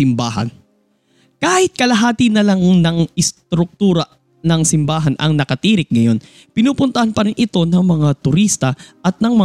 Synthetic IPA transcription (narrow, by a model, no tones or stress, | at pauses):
ɪmbaːɦɐ̰n | kaːhɪt̪̚kɐlɐɦaːt̪ɪnɐlaŋnɐŋɪst̪ɾʊk̚t̪uːɾɐ | nɐŋsɪmbaːɦɐnʔɐ̰ŋnɐkɐt̪iːɾɪk̚ŋɐjo̞n | pɪnuːpʊnt̪ɐhɐnpɐɾɪnʔɪt̪o̞nɐŋmɐŋat̪ʊɾist̪ɐʔɐt̪̚nɐŋmɐ